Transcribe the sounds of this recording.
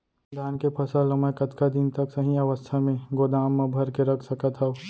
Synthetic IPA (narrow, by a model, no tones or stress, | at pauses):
d̪ʱaːnkepʰɐsəlɐməkət̪kad̪ɪnt̪ɐksɐɦĩɐʋəst̪ʰamẽɡoːd̪aːmːãbʱɐɾkeɾɐkʰsɐkət̪ɦəo